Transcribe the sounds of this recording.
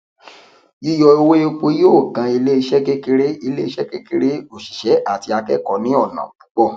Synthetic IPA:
i˦jɔ˧o˧we˦o˦k͡po˧˦joː˦˨ɡã˧i˧le˦i˧ʃɛ˦ke˦ke˦ɾe˦i˧le˦i˧˦ʃɛ˦ke˦ke˧ɾe˦o˦˨ʃi̥˨ʃɛ˨˦ʔa˦˨ti˧a˧kɛ̰˦kɔ˨nĩ˨˦ɔ˦˨nã̰˨k͡pu̥˨˦k͡pɔ˦˨

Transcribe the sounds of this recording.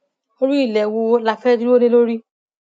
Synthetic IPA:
o˧ɾũ˦i˦˨lɛ˨wo˧la˧fɛ˦du˦o˦nĩ˧lo˦ɾi˦

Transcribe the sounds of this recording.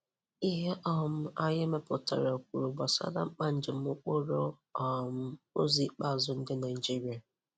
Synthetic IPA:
i˦ɦe˦ʔɔ˦m̩˦a˦ɲe˦me˦pʊ˨ta̰˨ɾa˨o˨k̚ʷu˨ɾu˨ɡ͡ba˨sa̰˦da̰˦ŋ͡m̩˦k͡pa˦n̩˦d͡ʒɪ˨m̩˦ʊ˦k͡po˦ɾo˦ | ɔ˨m̩˦o̰˦zi˦k͡pa˦˨zʊ˦n̩˦dɪ˦na˨ɪi˨d͡ʒi˦ɾi˨˦a˨

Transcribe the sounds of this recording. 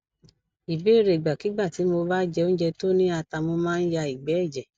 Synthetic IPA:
i˨be˨˦˨ɾe˨ɡ͡ba˨ki˨˦ɡ͡ba˦˨ti˨˦mo˧ba˦d͡ʒɛ˧o˦n̩˦d͡ʒɛ˧to˦nĩ˦a˧ta˧mo˧mãː˦n̩˦ja˧i˨ɡ͡bɛ˨˦ɛ˦˨d͡ʒɛ˨

